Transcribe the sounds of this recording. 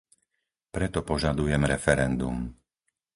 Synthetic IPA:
pɾɛt̪ɔpɔʒad̪ujɛmɾɛfɛɾɛnd̪um

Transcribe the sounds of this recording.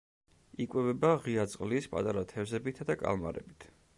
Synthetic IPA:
ikʼwɛvɛbaʁiat̪sʼqʼlispʼa̰t̪ʼaɾat̪ʰɛvzɛbit̪ʰd̪akʼa̰lˠma̰ɾɛ̰bit̪ʰ

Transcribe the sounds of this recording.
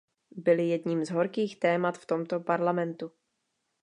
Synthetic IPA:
bɪljɛdɲiːmzɦo̞ɾkiːxt̪ɛːmat̪ft̪o̞mt̪o̞paɾlamɛnt̪u

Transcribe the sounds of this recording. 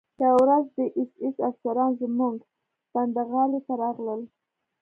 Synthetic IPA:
d̪awɾazd̪əʔɪsɪsafsaɾɑnzəmuŋɡ | b̥and̪aɣɑlet̪aɾɑɣləl

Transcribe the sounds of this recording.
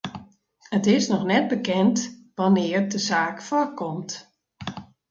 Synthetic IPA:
hətɪsnɔxnɛt̚bəkɛntʋanɪːərdəzaːkfɔrkɔmt

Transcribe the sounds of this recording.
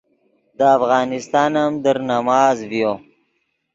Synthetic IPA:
d̪əafɣɑːnɪst̪ɑːnamd̪əɾnamɑːzvjo

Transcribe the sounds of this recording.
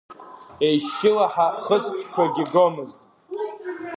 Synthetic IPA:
e̞jʃɪlaħaχəstʰkʷʰaɡʲɪɡomɨztʼ

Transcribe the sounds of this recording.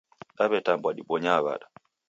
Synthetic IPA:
ɗaβɛtambwaɗiɓɔɲaβa̰ɗa

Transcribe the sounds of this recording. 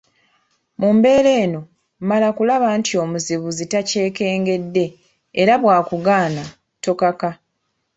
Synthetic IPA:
mumbe̞ːɾe̞ːno̞ | malakulaβaːntio̞ːmuziβuzitace̞ːke̞ːŋɡe̞dːe̞ː | ɾaβwaːkuɡaːna | to̞kaka

